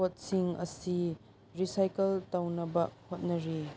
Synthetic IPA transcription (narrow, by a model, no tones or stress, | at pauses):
ɔt̪̚siŋɐsi | risɐjkɐlt̪ɐwnɐbɐʔ̚hɔt̪̚nɐɾi